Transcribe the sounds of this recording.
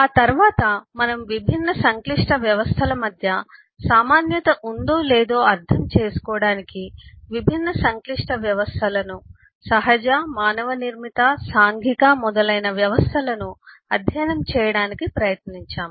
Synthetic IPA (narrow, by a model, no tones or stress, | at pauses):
aːt̪ɐɾʋaːt̪ɐmɐnɐmʋibʱinːɐsɐŋkliʂʈɐʋjɐʋɐst̪ʰɐlɐmɐd̪ʱjɐ | saːmaːnjɐt̪ɐʔund̪oːleːd̪o̞ːɐɾt̪ʰɐmt͡ʃeːsu̥kɔːɽaːnikiʋibʱinːɐsɐŋkliʂʈɐʋjɐʋɐst̪ʰɐlɐnu | sɐɦɐd͡ʒamaːnɐʋɐniɾmit̪ɐsaːŋɡʱikaːmɔd̪ɐlɐjnɐʋjɐʋɐst̪ʰɐlɐnu | ɐd̪ʱjɐjnɐmt͡ʃɛːjɐɽaːnikipɾɐjɐt̪niɲt͡ʃaːm